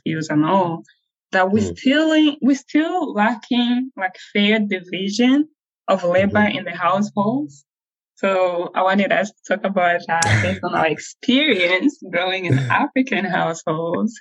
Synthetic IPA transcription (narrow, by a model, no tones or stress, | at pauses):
pjʉzə̃nɔlˠ | ðət̚wistʰɪlˠwistʰɪlˠlækʰɪ̃ŋlaɪkfɛɹdɨvɪʒɨ̃n | ʔʌvleɪbə˞ʔɨ̃nðɨɦaʊsholˠdz̥ | soʊaɪwɑ̃ntɨɾʌ̰stʰə̥tʰɔkəbaʊt̪̚ðæt̚b̥eɪstə̃na̰ə˞ɨkspʰɪɹiɨ̃nsɡɹoʊɪ̃ŋɨ̃nʔæfɹɨkɨ̃nɦaʊshoʊlˠdz̥